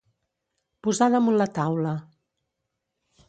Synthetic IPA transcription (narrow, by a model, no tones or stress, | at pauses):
puzaðəmunlət̪awlə